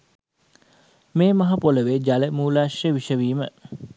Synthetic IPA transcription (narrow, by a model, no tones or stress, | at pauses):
meːmɐɦapoləʋed͡ʒaləmuːlaːʃeʋiʃəʋiːmə